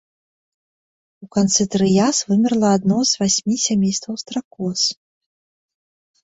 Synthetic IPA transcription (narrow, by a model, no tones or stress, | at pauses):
ukant̪sɨt̪ɾɨjasvɨmʲɛrlˠɐːd̪nɔzvasʲmʲisʲamʲejst̪vɐwst̪ɾakɔs